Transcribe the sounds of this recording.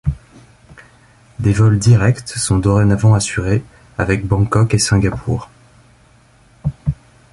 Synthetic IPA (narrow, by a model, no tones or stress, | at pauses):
d̪evɔld̪iʁɛkt̪sɔ̃d̪ɔʁɛnavɑ̃asyʁe | avɛk̚bɑ̃kɔkesɛ̃ɡʲapʰṵːʁ